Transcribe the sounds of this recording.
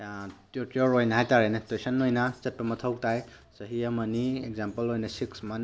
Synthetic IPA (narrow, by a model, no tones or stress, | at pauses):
tuɾtoɾojnɐɦajtaɾajnɐtwesɐnːojnɐsɐt̚pɐmɐtʰɐwtaj | sɐɦiɐmɐniekzampɐlojnɐsiksman